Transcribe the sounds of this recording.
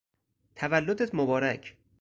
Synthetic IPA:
t̪ʰævælːod̪et̪ʰmobɒːɾæcʰ

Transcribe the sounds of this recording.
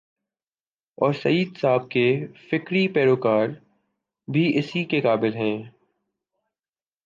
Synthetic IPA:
ɔːɾsɐiːd̪saːb̚kefɪkɾipɛːɾoːkaːɾ | bʱiɪsikekaːbɪlɦɛ̃ː

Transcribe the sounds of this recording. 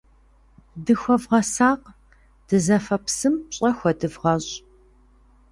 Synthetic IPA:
dɨxʷɐvʁɐsaːq | d̥ɨzɐfɐpsɨmɕʼɐxʷɔdɨvʁɐɕʼ

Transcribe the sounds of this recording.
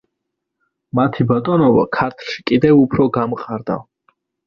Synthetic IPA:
mat̪ʰibat̪ʼɔnɔba̰kʰaɾt̪ʰɾʃi̥kʼid̪ɛvupʰɾɔɡamqʼaɾd̪a̰v

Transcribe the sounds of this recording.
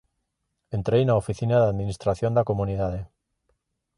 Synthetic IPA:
ent̪ɾejnaofiθinaðaðmĩnist̪ɾaθjond̪akomuniðað̞e

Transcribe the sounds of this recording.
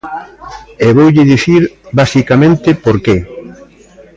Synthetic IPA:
eβowʎɪðiθiɾbasikamẽnt̪ɪpoɾke

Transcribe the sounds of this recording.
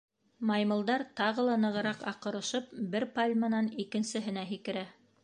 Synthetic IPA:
mɑjmɤ̆lˠd̪ɑɾt̪ɑʁɤ̆lˠɑnɤ̆ʁɤ̆ɾɑqɑqɤ̆ɾɤ̆ʃɤpbɘɾpalʲmɑnɑnikɘ̆nsɘ̆ɦɘ̆næɦikɘ̆ɾæ

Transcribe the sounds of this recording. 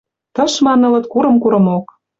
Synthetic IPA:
t̪ɤ̆ʃmɑnɤ̆lɤ̆t̪̚kuɾɤ̆mkuɾɤ̆mok

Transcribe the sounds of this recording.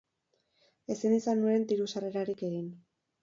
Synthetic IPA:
e̞sinisanːuent̪iɾusare̞ɾaɾike̞ɣin

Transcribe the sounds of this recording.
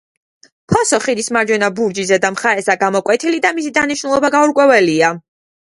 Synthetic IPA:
pʰɔsɔχid̪ismaɾd͡ʒwɛnabuɾd͡ʒizɛd̪amχaɾɛsaɡamɔkʼwɛt̪ʰilid̪amisid̪aniʃnulˠɔbaɡauɾkʼwɛvɛlia

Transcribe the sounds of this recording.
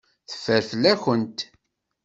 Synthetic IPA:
θə̥fəɾflæçənt̪

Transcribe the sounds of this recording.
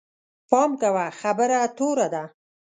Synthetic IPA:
pɑmkawaxabəɾat̪oɾad̪a

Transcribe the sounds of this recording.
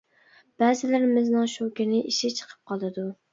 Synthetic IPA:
b̥æzɪlɪɾɪmɪznɪŋʃokʲɪnɪʔiʃɪt͡ʃʰə̥qʰə̥p̚qʰɑlˠɨd̪u

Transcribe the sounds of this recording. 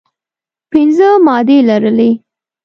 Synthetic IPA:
pɪnzəmɑd̪elaɾəle

